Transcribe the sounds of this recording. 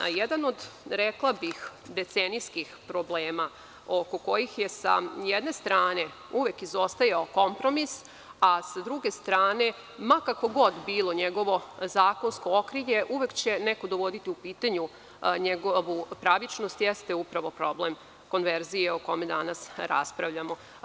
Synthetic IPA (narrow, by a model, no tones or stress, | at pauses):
jed̪ano̞d̪ɾeklˠabixd̪e̞t̪seniskixpɾo̞bleːma | oko̞ko̞jixjesa̰jed̪ne̞st̪ɾaːne̞ | uʋekizo̞st̪ajaoko̞mpɾo̞mis | asad̪ɾuɡe̞st̪ɾaːne̞ | makako̞ɡo̞d̪biːlˠo̞ɲeɡo̞ʋo̞zaːko̞nsko̞okɾiʎe̞ʔuʋekt͡ɕe̞neko̞d̪oʋo̞d̪it̪iupiːt̪aɲu | ɲeɡoʋupɾaʋit͡ʃnost̪jest̪e̞upɾaʋo̞pɾo̞ble̞m | ko̞nʋe̞ɾzijeoko̞me̞d̪anasɾa̰spɾaʋʎamo̞